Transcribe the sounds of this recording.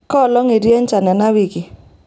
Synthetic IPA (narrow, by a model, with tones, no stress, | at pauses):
kɔ˦˨lɔ˦ŋe˨dje˦n˦t͡ʃa˨na˨na˦wi˨ki˨